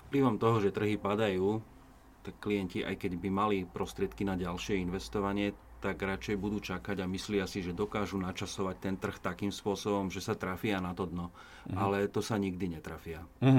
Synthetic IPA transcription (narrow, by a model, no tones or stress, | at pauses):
fpliʋɔmt̪ɔɦɔʒɛt̪r̩ɦipad̪ajuː | t̪akkːlijɛnciʔa̰jkɛɟbimalipɾɔst̪ɾɪɛt̪kinaɟalʃɪɛinʋɛst̪ɔʋaɲɪɛt̪aɡɾat͡ʃɛjbud̪uːt͡ʃakaɟamislɪasiʒɛd̪ɔkaːʒunat͡ʃasɔʋac̚t̪ɛnt̪r̩xt̪akiːmspʊɔsɔbɔmʒɛsat̪ɾafiɪanat̪ɔd̪nɔ | alɛt̪ɔsaɲiɡd̪iɲɛt̪ɾafɪa